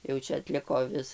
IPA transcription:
jɛʊ ˈt͡ʃʲɛ ɐtʲˈlʲɪkoː ˈʋʲɪs

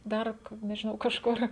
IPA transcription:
ˈdɐr k nʲɛʒʲɪˈnɐʊ kɐʃˈkʊr

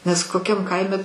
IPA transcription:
nʲɛs koːˈkʲɛm ˈkɐɪmʲɛ

